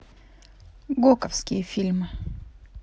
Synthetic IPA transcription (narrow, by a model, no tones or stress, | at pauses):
ɡokəfskʲɪjəfʲilʲmɨ